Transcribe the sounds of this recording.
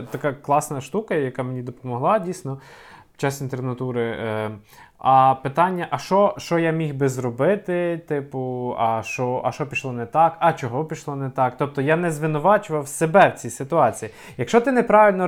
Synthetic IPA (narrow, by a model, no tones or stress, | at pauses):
t̪ɐkaklˠɑsnɐʃt̪ukɐjɐkamenʲid̪ɔpɔmɔɦlˠɑdʲijsʲnɔ | t͡ʃasʲɪnt̪ernɐt̪uɾɪ | ɐpɪt̪ɑnʲːɐʔɐʃt͡ʃɔʃt͡ʃɔjamʲixbɪzɾɔbɪt̪ɪt̪ɪpʊɐʃɔɐʃt͡ʃɔpʲiʃlˠɔnɛt̪ɑkɐt͡ʃɔɦɔpʲiʃlˠɔnɛt̪ɑkt̪ɔp̚t̪ɔjanɛzʋɪnʊʋɑt͡ʃʊʋɐwsebɛwt͡sʲisɪt̪ʊɑt͡sʲiji | jɐkʃt͡ʃɔt̪ɪnɛpɾɑʋʲɪlʲnɔ